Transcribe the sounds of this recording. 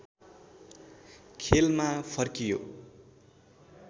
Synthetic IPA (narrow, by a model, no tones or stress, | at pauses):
kʰelmapʰʌrkijo̰